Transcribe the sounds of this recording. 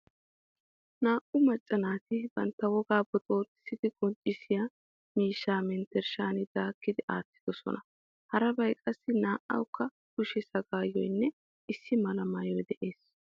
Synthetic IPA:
naːʔʊmɐt͡ʃʼːɐnaːt̪ɪbɐ̰nt̪ːɐwɔɡaːbɔt̪ʼoːt̪ːɪ̥sːɪd̪ɪɡʼɔnt͡ʃʼːɪsɪja | miːʃːaːmɛnt̪ɛɾʃaːnɪd̪aːkːɪd̪ɪʔa̰ːt̪ːɪ̥d̪̥ɔsɔ̰nʔɐ | hɐɾɐbɐjkʼɐsːɪnaːʔɐ̰wkːɐ | kʊʃɛsɐɡaːjɔ̰jnːɛ | ɪsːɪmɐlɐmaːjɔd̪ɛʔeːs

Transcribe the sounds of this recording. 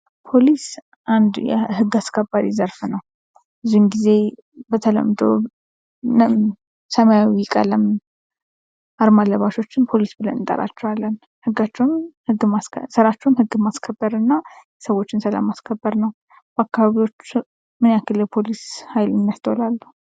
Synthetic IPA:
pʰo̞lis | ʔand̪jɛ̰hɨɡaskʰəbaɾizəɾfnəw | ɨzːihmɡize̞ | bət̪ʰələ̰md̪o̰ | nɨm | səmajawikʼə̰ləm | ʔaɾmalːəβaʃo̞t͡ʃːɪnpʰo̞lisbɨlənɨnt̪ʼə̰ɾa̰t͡ʃːɛwalːən | hɨɡːat͡ʃːɛwnhɨɡːmassəɾat͡ʃːɛwnhɨɡːɨmaskʰəbːəɾɨnːajɛsəwo̞t͡ʃːɪnsələ̰maskʰəbːəɾnəw | b̥əakːaβaβiwo̞t͡ʃː | mɨnjakɨljɛpʰo̞lishajlɨnːast̪ʰo̰lalːu

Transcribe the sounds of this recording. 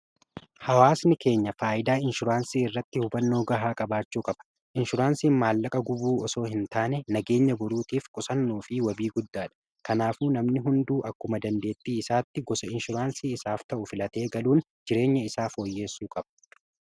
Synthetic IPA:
hɐwaːsnɪke̞ːɲːɐfaːʔɪd̪aːɪnʃʊɾaːnsiːɪrːɐt̪ːɪhʊbɐnːo̞ːɡɐɦaːkʼɐbaːt͡ʃːuːkʼɐb̥ɐ̥ | ʔɪnʃʊɾaːnsiːnmaːlːɐkʼɐɡʊbuːɔso̞ːhɪnt̪aːnɛnɐɡe̞ːɲːɐbʊɾuːt̪iːfkʼʊsɐnːoːfɪwɐbiːɡʊd̪ːaːᶑɐ̥ | kɐnaːfuːnɐmnɪɦʊnd̪uːʔɐkːʊmɐd̪ɐnd̪e̞ːt̪ːiːɪsaːt̪ːɪɡɔsɐɪnʃʊɾaːnsiːɪsaːft̪ɐʔʊfɪlɐt̪e̞ːɡɐluːn | d͡ʒɪɾe̞ːɲːɐɪsaːfoːjːe̞ːsːuːkʼɐb̥ɐ̥

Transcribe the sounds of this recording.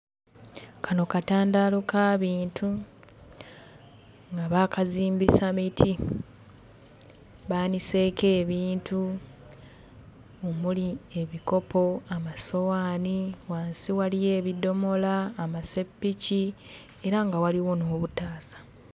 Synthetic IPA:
kʰano̞kataːndaːlokaːβiːntʰu | ŋɡaβaːkaziːmbisamitʰi | βaːnise̞ːke̞ːβiːntʰu | omulie̞βiko̞pʰo̞amaso̞waːniwaːnsiwalije̞ːβido̞mo̞laːmase̞pːici | e̞ɾaŋɡawaliwo̞noːβutaːsḁ

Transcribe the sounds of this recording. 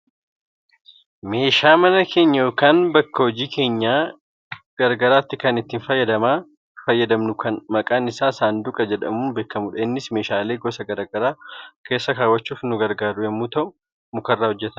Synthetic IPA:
me̞ːʃaːmɐnɐkʰe̞ːɲːɐjoːkaːnbɐkːɐhɔd͡ʒiːkʰe̞ːɲːaː | ɡ̥ɐɾɐɡɐɾaːt̪ːɪkɐnɪt̪ːɪːnfɐjːɐd̪ɐmaː | fɐjːɐd̪ɐmnʊkʰɐnmɐkʼaːnɪsaːsaːnd̪ʊkʼɐd͡ʒɛᶑɐ̰muːnbe̞ːkːɐmʊᶑeːnːɪsme̞ːʃaːle̞ːɡɔsɐɡɐɾɐɡɐɾaːke̞ːsːɐkaːwːɐt͡ʃːuːfnʊɡɐɾɡaːɾʊjɛmːuːt̪ɐ | mʊkɐrːaːhɔd͡ʒːɛt̪ɐ

